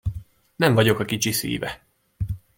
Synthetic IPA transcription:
nɛɱvɒɟo̞kɒkit͡ʃisḭːvɛ

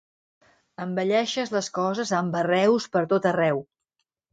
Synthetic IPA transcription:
əmbəʎɛʃəzləskɔzəzəmbərɛwspəɾt̪ot̪ərɛw

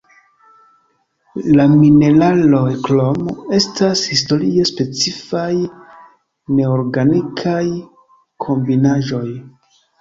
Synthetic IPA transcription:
lamine̞lalo̞jklo̞me̞stashisto̞ɾie̞spe̞t͡sifaj | ne̞oɾɡanikʰaj | kʰo̞mbinaʒo̞j

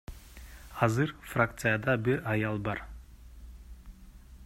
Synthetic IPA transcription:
ɑzɯɾfrak̚t̪sɨjad̪ɑbiɾɑjɑlˠbɑɾ

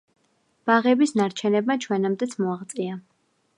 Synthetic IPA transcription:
b̥aʁɛbisnaɾt͡ʃʰɛnɛbmat͡ʃʰwɛnɛmd̪ɛt̪sʰmɔaʁt̪sʼia

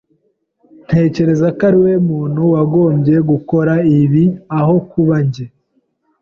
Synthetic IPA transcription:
n̥he̞ːce̞ɾe̞zakaɾiwe̞muːn̥huwaɡo̞ːmɟe̞ɡuko̞ɾaiβiaɦo̞kuβaɲɟe

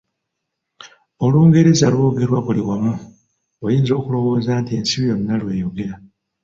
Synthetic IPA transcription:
o̞luːŋɡeɾizalwoːɡe̞ɾwaβuliwamu | ojiːnzo̞ːkulo̞wo̞ːzaːntie̞ːnsiβijo̞nːalwe̞ːjo̞ɡe̞ɾa

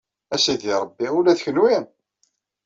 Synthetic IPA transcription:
æsiðiɾˤəbːiulæθəçnujæn

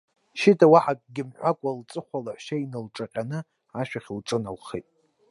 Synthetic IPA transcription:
ʃɪtʰawaħakʼɡʲɪmħʷakʷʼalt͡sʼɨχʷalaħʃainɨlʈ͡ʂʼaqʲʼanɨ | aʃᶣaχʲlʈ͡ʂʼɨnalχejtʼ

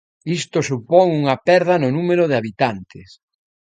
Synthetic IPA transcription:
ist̪osupoŋuŋɐpɛɾð̞ɐnʊnumeɾoðeaβit̪ant̪ɪs

